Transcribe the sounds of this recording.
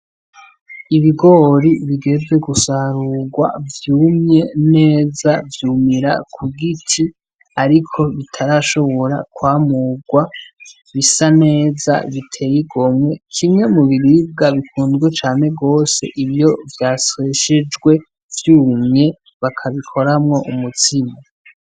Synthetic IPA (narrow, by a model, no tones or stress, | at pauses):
iβiɡo̞ɾiβiɡe̞zwe̞ɡusaɾuɡwa̰vjuːmɲe̞ne̞ːzavjuːmiɾa̰kʰuɡitʰi | aɾikʰo̞βitʰaɾaʃo̞βo̞ɾa̰kwaːmuɡwa | βisane̞ːza̰βitʰe̞jiɡomŋe̞kʰimŋe̞muβiɾib̚ɡaβikuːndɡwet͡ʃaːne̞ɡo̞ːse̞̰ʔiβjo̞vjaːseʃed͡ʒɡwe̞ | vjuːmɲe̞ | βakʰaβikʰo̞ɾamŋo̞ʔumutima